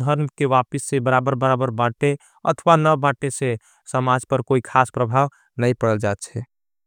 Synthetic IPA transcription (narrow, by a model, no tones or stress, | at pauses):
d̪ʱəɾmkeʋapəsːebəɾabəɾbəɾabəɾbaʈe | ə̰t̪ʰʋanəbaʈese | səmad͡ʒpəɾkoikʰaspɾəbʱaːw | nəĩpəɽəld͡ʒaːt̪̚t͡ʃʰɛ